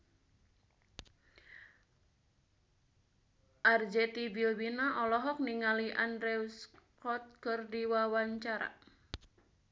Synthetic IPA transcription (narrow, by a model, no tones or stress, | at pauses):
ʔard͡ʒɛt̪ibilwinaʔɔlɔɦɔk̚niŋaliʔandɾɛuskɔt̪̚kərdiwawaɲt͡ʃaɾa̰